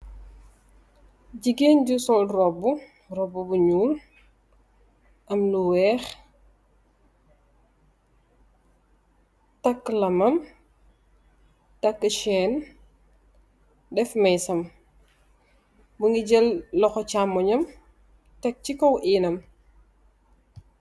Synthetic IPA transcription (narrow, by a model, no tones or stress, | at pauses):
ɟiɡeːnɟusɔlrɔbːu | rɔbubuɲuːl | ʔɐmluwɛːx | tɐkːlɐmɐm | tɐkːʃɛːn | dɛfmɛjsɐm | buŋɡiɟɛlːɔxɔcamɔɲɐm | tɐk̚t͡ʃikɔwʔiːnɐm